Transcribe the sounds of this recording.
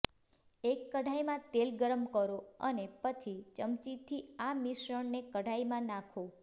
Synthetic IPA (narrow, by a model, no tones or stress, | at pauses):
ekːəɖʱajmãt̪elɡəɾəmkəɾoə̰nepət͡ʃʰit͡ʃəmt͡ʃit̪ʰiamiʃɾəɳnekəɽʱaimãnãkʰõ